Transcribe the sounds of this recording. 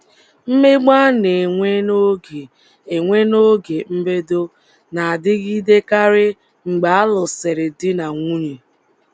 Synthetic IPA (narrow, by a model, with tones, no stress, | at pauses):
m̩˦me˦ɡ͡ba˦ne˨ŋʷe˦no˦ɡe˨ | e˨ŋʷe˦no˦ɡe˨m̩˦be˦do˦ | na˨a˨dɪ˦ɣi˦de˦ka˦ɾɪ˦ | ŋ͡m̩˨ɡ͡ba˨a˦lʊ˨se˨ɾɪ˨dɪ˦na˨ŋʷu˦ɲi˨